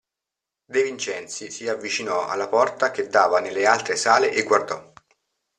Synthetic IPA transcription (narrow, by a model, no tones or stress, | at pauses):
d̪evint͡ʃɛnt̪sisiavːit͡ʃinɔa̰lːapɔrt̪ak̟ed̪ːaːvanelːealt̪ɾesaːleʔeɡward̪ɔ